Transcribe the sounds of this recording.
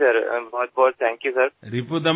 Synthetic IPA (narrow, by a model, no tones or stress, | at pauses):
ɐɾbɔːt̪̚bɔːɾ̚t̪ʰɛ̃ːŋkjusɐɾɾipud̪ɐ